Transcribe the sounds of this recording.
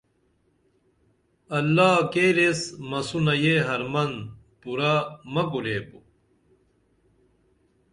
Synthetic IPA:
ɐlːaːkeɾesmɐsunɐjeɦɐɾmɐn | puɾamɐkuɾeːpu

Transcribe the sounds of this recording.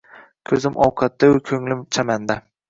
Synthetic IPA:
kʲʰɵzɪmʔɒwqʰɑt̪ːaʊkʲʰɵŋlɪmt͡ʃʰamand̪a

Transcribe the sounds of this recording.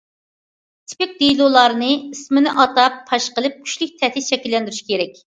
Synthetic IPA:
t̪ʰɪ̥pɪk̚ʲd̪ejlˠulˠɑɾɨnɨismɪnɪʔɑt̪ɑpʰːɑʃqəlˠɨp̚kʲʰy̥ʃlyk̚ʲt̪ʰɛt̪ʰɪʃɛkʲilːɛnd̪yɾyʃi̥kʲʰeɾɛkʲ

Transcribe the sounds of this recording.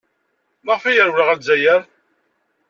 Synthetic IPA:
maʁfæjəɾwləʁælzæjəɾ

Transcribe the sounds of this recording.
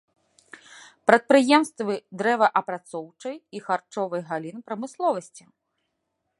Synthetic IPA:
pɾɐt̪̚pɾɨjɛmst̪vɨd̪ɾɛvɐʔɐpɾat̪sɔwt͡ʂɐjixart͡ʂɔvɐjɣalʲinpɾɐmɨslˠɔvɐsʲt͡sʲi̥

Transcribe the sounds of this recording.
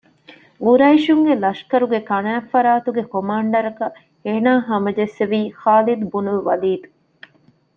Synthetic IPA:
uɾɐiʃuŋɡelɐʃkɐɾuɡekɐnæːfɐɾaːt̪uɡekomaːɳɖɐɾɐkɐ | eːnaːɦɐmɐd͡ʒesːeʋiːxaːlid̪bunuʋɐliːd̪u

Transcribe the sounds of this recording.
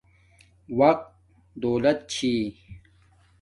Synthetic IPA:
wɐq̚t̪̚ | d̪oːlɐt̪̚t͡ɕʰi

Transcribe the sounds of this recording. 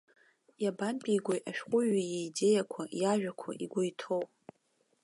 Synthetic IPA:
jabanpʼijɡʷojʔaʃᶣχʷʊɥajeide̞jakʷʰajaʒᶣakʷʰa̰ʔiɡʷʊjtʰowp

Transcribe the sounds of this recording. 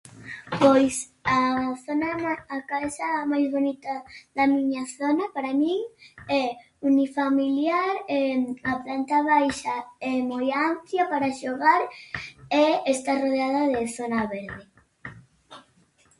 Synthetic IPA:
pojsaθonaaːkaesamajzβonit̪aðamiɲaθonapaɾamĩŋɛ | unifamiljaɾɛaplant̪aβajʃaɛmojampljapaɾaʃoɣaɾ | ɛest̪aroðeaðaðeθonaβɛɾðe

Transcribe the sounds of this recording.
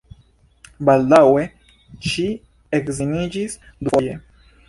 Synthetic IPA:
baldawe | ʃi | ekzinid͡ʒis | d̪ufoje

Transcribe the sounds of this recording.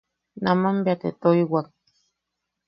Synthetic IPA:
namambiat̪ḛt̪oiwak̚

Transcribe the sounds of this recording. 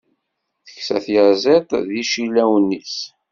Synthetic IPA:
θə̥çsæ̰θjəʕzˤet̪ˤðiʃilːæwənːis

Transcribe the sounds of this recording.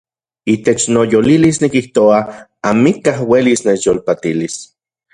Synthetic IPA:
it̪et͡ʃnojolilisnikiht̪oaamikahwelisnet͡ʃjolpat̪ilis

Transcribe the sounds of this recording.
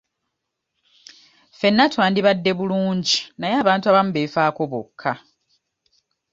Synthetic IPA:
fe̞nːatwaːndiβadːe̞βuluːɲɟi̥najaːβaːntuaβamuβeːfaːko̞βo̰kʰːa

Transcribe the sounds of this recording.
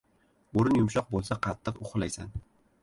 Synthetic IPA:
oɾɪnjʊmʃɒq̚bolˠsaqʰɑt̪ʰːɨqʊχlajsa̰n

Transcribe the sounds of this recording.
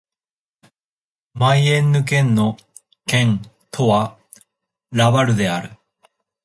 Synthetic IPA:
majenːɯk̬ẽnːo | kẽŋ | t̪ʰoβa | ɾaβaɾɯ̟d̪e̞aɾɯ

